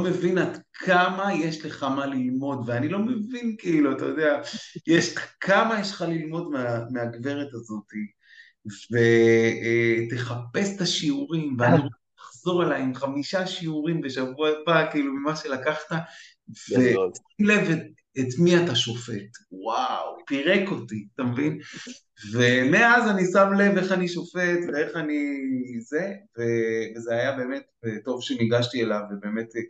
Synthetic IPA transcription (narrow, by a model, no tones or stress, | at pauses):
omevinad̪kʰamaje̞ʃle̞χamalilmo̞dveanilo̞me̞vinkiːluat̪a̰jodeajeʃakʰamajeʃlχalilmo̞dmeameaɡve̞ʁetazo̞ti | ve̞ | t̪e̞χape̞st̪aʃiuʁimveani | aχzo̞ʁelajemχamiʃaʃiuʁimbe̞ʃavuabakiːlumimaʃe̞lakaχta | vetile̞ve | etmiataʃo̞fe̞twawpiʁe̞ko̞tiatamevin | ve̞meazanisamle̞ve̞χaniʃo̞fe̞tveeχanize̞ve̞vezeajabe̞ːme̞teto̞vʃeniɡaʃtielavebe̞ːme̞t